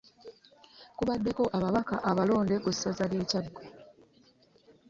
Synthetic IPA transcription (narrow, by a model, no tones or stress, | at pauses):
kuβadːe̞ko̞ʔaβaβakaʔaβalo̞ːnde̞kusːazale̞ːcaɡːo